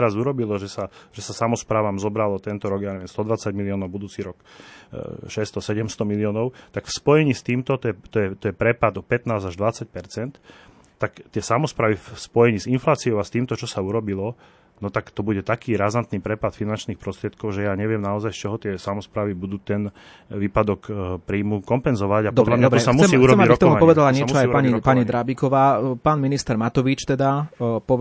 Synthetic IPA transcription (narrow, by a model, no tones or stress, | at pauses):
ɛɾazuɾɔbilɔʒɛsaʒ̥ɛsasamɔspɾaːʋaːmzɔbɾalɔt̪ɛnt̪ɔɾɔɡjaɲɛʋɛmst̪ɔd̪ʋat͡saɟmiliɔːnɔʊbud̪uːt͡siːɾɔk | ʃɛst̪ɔsɛɟɛmst̪ɔmiliɔːnɔʊt̪akfspɔjɛɲiːst̪iːmt̪ɔt̪ɔjɛt̪ɔjɛt̪ɔjɛpɾɛpad̪ɔpɛt̪naːzaʒd̪ʋat͡sac̚pɛɾt͡sɛnt̪ː | akt̪ɪɛsamɔspɾaːʋifspɔjɛɲiːzinflaːt͡siɔʊast̪iːmt̪ɔt͡ʃɔsauɾɔbilɔ | nɔt̪akt̪ɔbuɟɛt̪akiːɾazant̪niːpɾɛpat̪finant͡ʃniːxpɾɔst̪ɾɪɛt̪̚kɔʊʒɛjaːɲɛʋɪɛmnaɔzajst͡ʃɔɦɔt̪ɪɛsamɔspɾaːʋibud̪uːt̪ɛn | ʋiːpad̪ɔkpɾiːmukɔmpɛnzɔʋaɟapd̪ɔd̪lamɲɔtɔɛɔsamuɛːuɾɔɛmiaɾiɔkt̪ɔmuaɲpɔʋɛd̪alaɲɛmt͡ʃɔaajpaɲikpaɲid̪ɾabikɔʋaːpaːnminist̪ɛɾmat̪ɔʋit͡ʃt̪ɛd̪apɔ